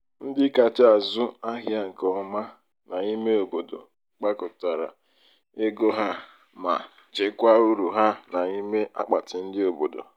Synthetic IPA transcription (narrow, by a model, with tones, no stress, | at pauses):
n̩˦dɪ˦ka˨t͡ʃa˨zʊ˦a˦ɦja˦ŋ̩˨kɔ˦ma˦ | na˨i˦me˦o˨bo˨do̰˨ | k͡pa˦kʊ˨ta˨ɾa̰˨ | e˦ɡo˦ɦa˦ | ma̰˨ | t͡ʃe˨kʷa˦u˦ɾu˨ɦa˦na˨i˦me˦ʔa̰˦k͡pa˨tɪ˨n̩˦dɪ˦o˨bo˨do̰˨